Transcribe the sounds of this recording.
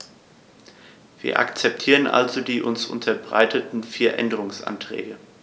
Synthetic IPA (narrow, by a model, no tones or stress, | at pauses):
viːɐʔa̰kt͡sɛp̚tʰiːʁənʔa̰lzodiːʔʊnsʔʊ̰ntʰɐbʁa̰ɪtʰətn̩fiːɐʔɛndəʁ̞ʊŋsʔa̰ntʁ̥ɛ̰ːɡə